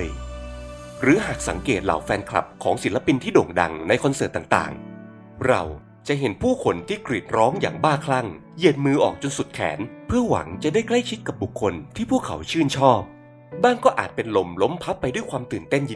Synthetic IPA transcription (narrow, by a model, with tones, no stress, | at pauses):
j | ɾɯː˩˦ɦaː˨˩k̚sa˩˦ŋkeː˨˩t̪̚la̰˨˩˦wfɛː˧nkʰla̰˨˩p̚kʰɔː˩˦ŋsi˩˦la˧pi˧nt̪ʰiː˥˩doː˨˩ŋda̰˧ŋna˧jkʰo˧nsɤː˨˩t̪ːaː˨˩ŋt̪a̰ː˨˩ŋ | ɾa̰˧w | t͡ɕa˨˩ɦe˨˦npʰuː˥˩kʰo˧nt̪ʰiː˥˩kɾi˨˩t̪̚ɾɔː˦˥ŋja̰ː˨˩ŋbaː˥˩kʰla˥˩ŋ | ji˨˩ət̪̚mɯː˧ʔɔː˨˩k̚t͡ɕo˧nsu˨˩t̪̚kʰɛ̰ː˩˦npʰɯ˥˩ɐwa̰˩˦ŋt͡ɕa˨˩daː˥˩jkla˥˩jt͡ɕʰi˦˥t̪̚ka˨˩p̚bu˨˩kʰːo˧nt̪ʰiː˥˩pʰuː˥˩kʰːa̰˩˦wt͡ɕʰɯː˥˩nt͡ɕʰɔː˥˩p̚ | baː˥˩ŋkɔː˥˩ʔaː˨˩t̪̚pe˧nlo˧mlo˦˥mpʰa˦˥pːa˧jdu˥˩jkʰwaː˧mt̪ɯː˨˩nt̪e˥˩nj